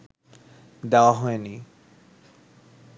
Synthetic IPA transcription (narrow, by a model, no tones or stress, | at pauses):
d̪eoaɦɔeni